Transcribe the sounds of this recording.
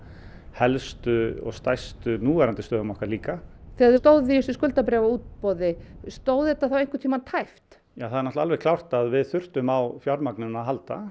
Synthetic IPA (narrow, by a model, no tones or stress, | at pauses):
hɛlst̪ʏɔ̰ɣst̪ajst̪ʏnuːvɛɾant̪ɪst̪œːðʏmɔhkaɾliːkaθɛaðt̪oːwðɪɪsʏskʏlt̪apɾɛvauːt̪̚pɔðɪst̪oːwðɪt̪ːaθawejŋkɪt̪ʰiːmat̪ʰajft̪ | jaːwθaðɾnɔht̪laalvɛkʰlawr̥t̪aðvɪðθʏr̥t̪ʏmawfjaɾmaknʏnaðɦalt̪a̰